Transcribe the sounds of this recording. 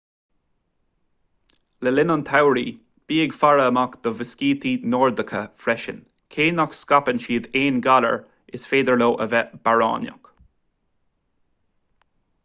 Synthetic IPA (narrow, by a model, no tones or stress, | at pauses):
ləlɪnɔnt̪ʰawɹiː | b̥iːɪɡfaɹəːmakd̪̥əvɪskiːt̪iːnɔːɹd̪əkʰəfɾɛʃə̰n | kʰeːnɔkskapənʃiːd̪eːnɡalə̰ɹ | ɪsfeːd̪əɹloːʔəvɛb̥aɹɑ̰ːnjə̰k